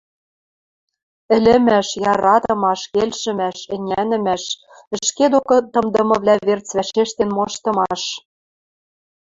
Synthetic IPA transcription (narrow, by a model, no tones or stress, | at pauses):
ɘ̆lʲɘ̆mæʃjɑɾɑt̪ɤ̆mɑʃkelʃɘ̆mæʃɘ̆nʲænɘ̆mæʃ | ɘ̆ʃked̪okɤ̆t̪ɤ̆md̪ɤ̆mɤ̆βlæβert͡svæʃeʃt̪enmɤ̆ʃt̪ɤ̆mɑʃ